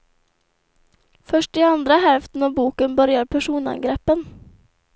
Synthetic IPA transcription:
fœʂʈiɑnd̪ɾəɦɛlft̪n̩ɑbuːkənbœɾjəɾpʰæʂuːnɑ̰ŋɡɾeːpən

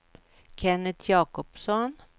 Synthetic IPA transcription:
kʰɛnət̪ʰjɑːkɔpsɔn

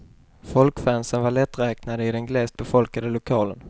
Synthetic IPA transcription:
fɔlkfæːnsənvaɭɛt̪ːɾɛːknad̪əɪd̪ɛnɡlɛːst̪̚bɛfɔlkad̪əlʊkʰɑːlən

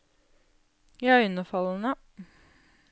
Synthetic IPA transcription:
jɑʉnəfɑlənə

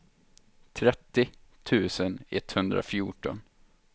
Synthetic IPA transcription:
t̪ʰɾɛt̪ːɪt̪ʰʉ̟ːsənɛ̰t̪ːhɵnd̪ɾa̰fjuːʈɔ̰n

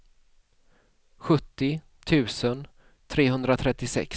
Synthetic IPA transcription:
ɧɵt̪ːɪ | t̪ʰʉ̟ːsən | t̪ʰɾeːɦɵnd̪ɾat̪ʰɾɛt̪ːɪsɛ̰k

